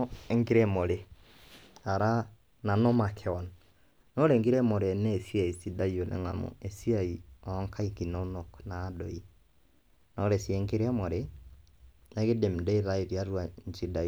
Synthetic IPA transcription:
eŋɡi˦ɾɛmo˨ɾe˨ | a˨ɾa˦ | na˨nɔ˦ma˨kʰɛ˨ɔ˨n | no˦ɾe˨ŋɡi˦ɾɛ˦mo˨ɾe˨nɛː˦˨si˦a˨i˨si˦da˦i˨o˨lɛ̰˨ŋa̰˨mo̰˨e˨si˦aiɔ˦ŋkʰa˦iki˨no˨˦no˨knaː˦dɔ̰˨i˦ | nɔ˨ɾɛ˨si˦ɛ˨ŋɡi˦ɾa˦mo˨ɾe˦ | ne˦ɣe˦de˨m˨dɔ˦i˦ɾa˦i˨ɾja˦ɾwa˨ɲd͡ʒi˦da˨

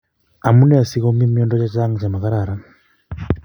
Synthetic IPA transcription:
a˨mu˦nɛa˨si˦ɣɔ˦mi˦mjɔ˦ndɔ˦t͡ʃa˦t͡ʃa˦ŋɡa˨t͡ʃa˨ma˨ka˦ɾaɾa

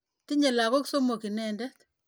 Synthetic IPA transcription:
tɪ˦ɲe˨la˨ko˦kso˦mo˨ki˨nɛ˦ndɛ˦t

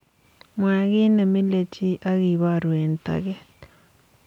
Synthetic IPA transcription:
mwa˨ɣi˦ne˨mi˦le˦t͡ʃi˦ʔa˦ɣi˨βa˦˨ɾwe˨nta̰˨ɣe˦

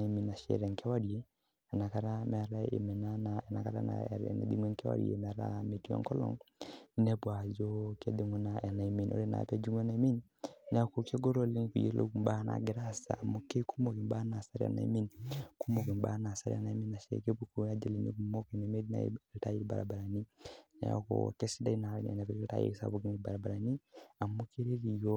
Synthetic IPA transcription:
a˨i˦mi˨na˨ʃɛ̰˨ɾɛ˨ŋkɛ˦wa˦ɾi˨e˦ | ɛ˨na˨ka˦ɾa˦mɛ˨ɾa˦ḛ˨mɛ˨na˦na˨ɛ˨na˨ka˦ɾa̰˦na̰ɾ̰nɛ̰˨dḭ˦ŋwɛ˦ŋkɛ˦wa̰˨ɾḭḛ˨m˨ɾa̰˦me˨ti˦a̰˨ŋkɔ˦lɔ̰˨ŋ˦nɛ˦bwa˨d͡ʒɔ˦kɛ˦di˨ŋwɛ˦na˨ɛ˨na˨i˨mi˨nɔ̰˦ɾɛ˦na̰˨pɛ˦d͡ʒu˦ŋwɛ˦na˨i˦mi˦n | n˨a˦ko˨ke˦ɡo˦ɾo˦li˦ŋ˦ku˨jḛ˦lo̰˦ɡu˨mba˦na̰˨ɡi˨ɾa˦sa̰˨a˨mo˦ke˦ku˦mo˨ki˨mba˦na˨sa˦ɾi˦a̰˨na̰˨i˦mi˦nku˦mo˨ki˨mba̰˦na˨sa̰˦ɾi˦a̰˨na˨˦mi˦na˨ʃḛ˨ke˦bu˦ku˦a˦d͡ʒe˨li˨nḭ˦ku˨mo˦ki˨ne˨me˦di˦na̰˦ta˦ji˦ba̰˨ɾa̰˨ba˨ɾa˨ni˦n̰˨˦a̰˦ko̰˨ke˦si˦da˦i˦na˨ɾnḛ˨ne˨bɛ˦ke˦ta̰˦jḭ˦ksa̰˨bu˦ɡi˦ni˨ba˨ɾa˨ba˨ɾa˨ni˦a˨mo˦ke˦ɾe˦ɾi˨jo˦

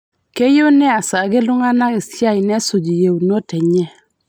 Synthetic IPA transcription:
ke˦jo˦nɛ˦a˨sa˨ɡe˦lʊ˦ŋa˦na˦ɡi˨sja˦i˨nɛ˦su˨d͡ʒi˨je˨wn˦o˦tɛ˨ɲɛ˦

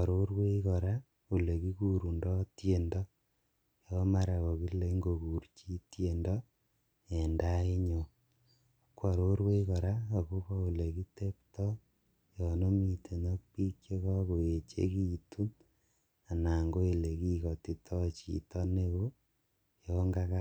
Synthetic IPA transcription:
a˨ɾo˦ɾwe˦kɔ˨ɾa˦ | o˨le˨ki˦ku˦ɾu˨ndɔ˦tje˨ndɔ˦ | jɔ˦ma˦ɾa˨ko˨ki˦le˨˦ŋɡo˨ku˨rt͡ʃi˦tje˨ndɔ˦ | e˨nda˦i˦ɲo˨ | kwa˨ɾo˦ɾwe˦kɔ˨ɾa˦o˨ku˦kɔ˦o˨le˨ki˦te˦ptɔ˦ | jɔ˨no˦mi˨tʰe˨nɔ˦k̚pi˦kje˦kɔ˦ko˨e˨t͡ʃḛ˦ki˦tu˦n | a˨na˨ŋɡo˦e˨le˨ki˦kɔ˨ti˨tʰɔ˦t͡ʃḭ˨tɔ˦ne˦ko˦ | jɔŋɡa˦ka˦

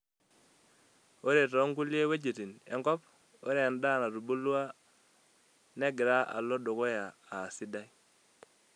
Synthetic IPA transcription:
o˦ɾe˨tɔ˨˦ŋku˦lje˦we˦d͡ʒe˨ti˨nḛ˦ŋkɔ˦p | o˦ɾe˨a˨nda˦˨na˨ɾu˨bu˦lwa˦ | ne˦ɡɪ˨ɾa˦ʔa̰˨lo˦do˨ko˦jaː˨si˦da˦i˦

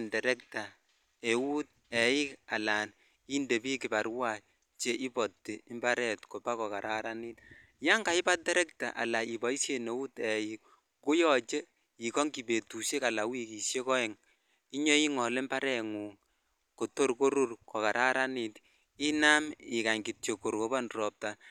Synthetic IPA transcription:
ndɛ˨ɾɛ˦k̚ta˨ | e˨wu˦t̚ | ɛ˨jɪ˦ka˨la˨n | i˦nde˨bi˦kɪ˨ba˨ɾwa˦˨ | t͡ʃe˦ʔi˦pɔ˨tːe˨ɪ˦mba˦ɾɛ˨tko˨pa˦kɔ˨ka˨ɾʔa˨ɾa˦ni˦t | ja˦ŋɡa˨ɪ˦ba˦t̚tdɛ˦ɾɛ˦k̚ta̰˨ʔa̰˨la˨i˨ba˨˦i˦sje˨ne˨wu˦tɛ˨jik̚ | ku˦jɔ˨t͡ʃe˦ | i˨kɔ˦ŋki˨be˨tu˨ʃe˦ka˨la˨wi˦ki˨ʃje˦kɔ˦ɛ˨ŋ | i˦ɲɔ˦i˦ŋɔ˨le˦mba˦ɾɛ˨ŋu˨ | ko˨to˦rko˦ɾu˦rkɔ˨ka˨ɾʔa˦ɾa˦ni˨t | i˦na˦mɪ˨ka˨ɲki˨tt͡ʃo˨ko˨ɾko˨ba˦nrɔ˨p̚ta˨

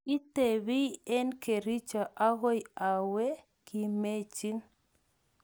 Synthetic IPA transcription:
i˦te˨βi˦ɛ˦nke˨ɾi˦t͡ʃa˨ʔa˦ɣɔ˦ja˨we˦ | ki˨me˦t͡ʃi˦n

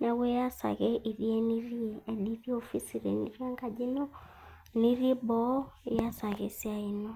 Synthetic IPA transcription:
na˨we˦ja˦sa̰˨ɣɛ˦ʔi˨ɾi˦e˦ni˦ɾi˦e˨di˦ɾi˦o˦fi˦si˨ɾḛ˨ni˨ɾi˦a˦ŋka˨d͡ʒi˦nɔ˦ | ni˦ɾi˦bɔ˦e˨˦ja˦sa˨ɣɛ˨si˦a˦i˦nɔ˦

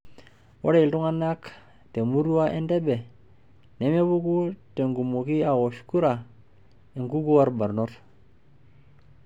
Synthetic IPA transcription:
wʔo˦ɾe˦i˨ltu˦ŋa˦na˦k | te˨mu˦ɾu˦wa˦ʔe˦nde˦be˨ | ne˨˦me˦bu˦ku˦te˨ŋɡu˨mo˨ki˦a˨wo˨ʃku˦ɾa˨ | i˨ŋku˦ɡu˦wa˦ɾba˨ɾno˦ɾ

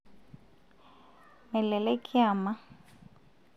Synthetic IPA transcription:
mɛ˨lɛ˨lɛ˦kʼɪ˦aː˨ma˦

